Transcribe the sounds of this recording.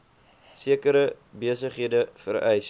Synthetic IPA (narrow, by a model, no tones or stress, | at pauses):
siəkəɾə | biəsəχɦiədəfərɛjs